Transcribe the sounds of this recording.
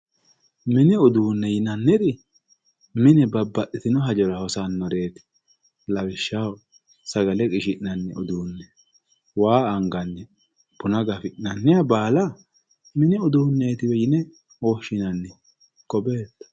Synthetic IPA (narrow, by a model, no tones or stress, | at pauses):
mɪnɪɔd̪uːnːɛjɪnɐnːɪd̪ɪ | mɪnɛbɐbːɐʔːɪt̪ɪnɔɦɐd͡ʒɔɾɐhɔsanːɔɾe̞ːt̪ɪ̥ | lɐwɪʃːaw | sɐɡɐlɛkʼɪʃɪʔnɐnːɛɔd̪uːnːɛ | waːŋɡɐnːɛ | bʊnɐɡɐfɪʔnɐnːɪjɐbaːla | mɪnɪɔd̪uːnːeːt̪ɪwɛjɪnɛ | oːʃɪnɐnːɪ | kʼɔbeːt̪ːɐ̥